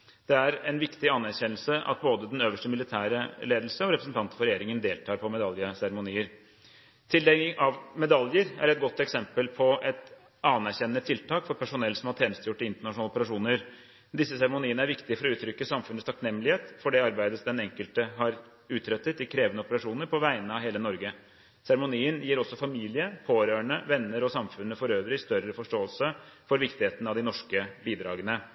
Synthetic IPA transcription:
d̪̥ɛæɾɛnʋɪkt̪ɪɑnæɾçɛnːəl̩səʔɑ̰t̪̚boːd̪əd̪ɛnøːʋəʂʈəmɪlɪt̪ʰæːɾəleːd̪lsəɔɾɛpɾəsn̩t̪ɑnt̪ə̥fɔɾɛjeːɾɪŋənd̪eːlt̪ʰɑːɾpʰɔmɛd̪ɑljəsæɾmʊniːəɾ | t̪ʰɪld̪ɛɪŋʔɑʋmɛd̪ɑljəɾæ̰ɾɛt̪̚ɡɔt̪ːɛksɛmpəlpʰɔʔɛt̪ | ɑːnæɾçɛnːət̪ʰɪlt̪ʰɑːkfɔɾpʰæʂʊnɛlsɔmhɑt̪ʰeːnəst̪əjʊʈːəɪnt̪əɳɑʂnɑlɔpəɾɑʂuːnəɾ | d̪ɪsːəsæɾmʊniːənəæɾʋɪkt̪ɪfɔɾɔʉːt̪ʰɾʏkːəsɑmfʉnəst̪ʰɑknɛmːəlɪheːt̪fɔɖɛɑɾbæɪd̪əsd̪ɛnɛŋkəlt̪əɦɑɾ | ʉːt̪ʰɾœt̪ːət̪ɪkʰɾeːʋənəɔpəɾɑʂuːnəɾpʰɔʋæɪənəɑʋɦeːlənɔɾɡə | sæɾəmʊniːənjiːɾɔsːɔfɑmiːlɪəpʰoːɾøːəɳəʋɛnːəɾɔsɑmfʉnːəfɔɾøːʋɾɪɪst̪œɾəfɔʂʈoːəlsəfɔɾʋɪkt̪ɪheːt̪ən̩ɑʋd̪ɪnɔʂkəbiːd̪ɾɑːɡənə

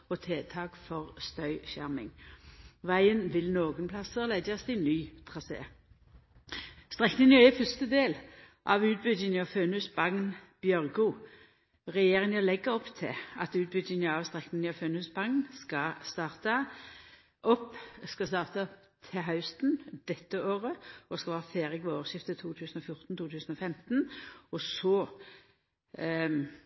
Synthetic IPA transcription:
ɔt̪ʰeːt̪ʰɑːkfɔʁst̪œʏçæ̰ʁmɪ̰ŋ | ʋæɪənʋɪlnoːɡənpʰlɑsəʁlæd̪jɑst̪ɪnyːt̪ʰʁɑsḛː | st̪ʁɛknɪŋəɛfœst̪əd̪eːl | ʔɑʋʉːt̪̚bʏd̪ɪnəɑføːnʉsbɑŋnb̥jœʁɡʊ | ʁɛjeːʁɪŋəlɛɡəʁɔpːt̪ʰɪɑ̰t̪ʉːt̪̚bʏd̪ɪŋəɑʋst̪ʁɛknɪŋnəɑføːnʉːsbɑŋnskɑst̪ɑːʁt̪ə | ʔɔpːskɑst̪ɑːʁt̪əɔp | t̪ʰɪɦɑʉst̪nd̪ɛt̪ːəoːʁəɔskɑʋɑːʁfeːʁɪkʋɛoːʃɪft̪ət̪ʰuːt̪ʰʉːsən̩ɔfjʊʁt̪n̩t̪ʰuːt̪ʰʉːsn̩ɔfɛmt̪nɔsɔ

